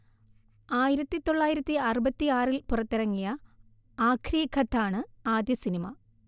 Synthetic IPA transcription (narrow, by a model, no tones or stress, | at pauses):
aːjiɾɐt̪ːit̪o̞ɭːaːjiɾɐt̪ːiɐrɨbɐt̪ːiaːrilpurɐt̪ːiɾɐŋːijɐ | aːkʰrijɐkʰɐt̪ʰːaːɳɨaːd̪jɐsinimɐ